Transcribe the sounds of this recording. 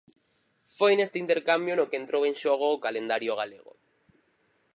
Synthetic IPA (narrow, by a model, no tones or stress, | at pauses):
fojnest̪eint̪eɾkambjonokent̪ɾowẽnʃoɣ̞oːkalend̪aɾjoɣ̞aleɣ̞o̰